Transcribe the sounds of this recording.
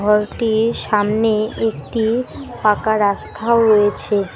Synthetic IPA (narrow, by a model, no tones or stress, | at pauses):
ɔɾʈiɾʃamneek̚ʈipakaɾast̪ʰaoɾojet͡ɕʰe